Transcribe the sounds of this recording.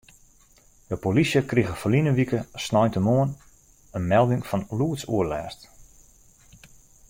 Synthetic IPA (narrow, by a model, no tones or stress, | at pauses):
dəpolisjəkriɣəfəlinəʋikəsnɔjntəmoən | ənmɛlˠdɪŋfɔnluətsuəlɛːrst